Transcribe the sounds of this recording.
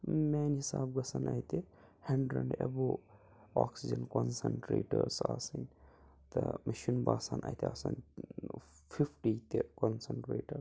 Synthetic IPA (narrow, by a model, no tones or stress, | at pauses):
meːnhisaːbɡɐsɐnɐːjt̪e | hɐɳɖɾɐɳɖebo | oːksid͡ʒɐnkonsɐɳʈɾḛːʈɐɾsaːsɐnʲ | t̪ɐmɐʃinbaːsanʔa̰jt̪easan | fʰifʰʈiːt̪ekonsɐɳʈɾeːʈɐɾ